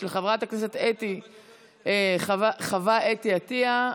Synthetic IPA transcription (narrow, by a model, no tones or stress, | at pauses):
lχavʁataknese̞t̪et̪i | eχvaχavaʔetiat̪ia